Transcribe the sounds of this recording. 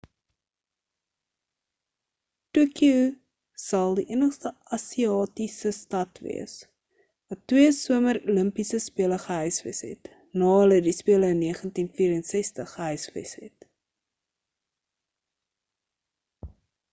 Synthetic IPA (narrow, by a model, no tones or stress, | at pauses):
tukju | sɐlˠdiʔiənəχstəɐsiɑːtisəstɐtvḭəs | vɐtːwiəsuəməɾuləmpisəspiələχəɦœɥsvḭsɦɛ̰t | nɑːlədispiələəniəχəntinfiːɾənsɛstəχːəɦœɥsvə̰sɦɛ̰t